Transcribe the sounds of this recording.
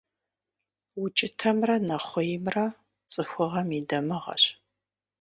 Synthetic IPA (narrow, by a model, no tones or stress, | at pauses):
wʊt͡ʃʼɪtʰɐmrɐnɐχʷɔjmrɐ | t͡sʼɨxʷʊʁɐmidɐmɨʁɐ̰ɕ